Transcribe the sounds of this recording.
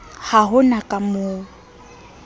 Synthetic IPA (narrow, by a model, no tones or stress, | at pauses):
haɦʊnakʼamʊː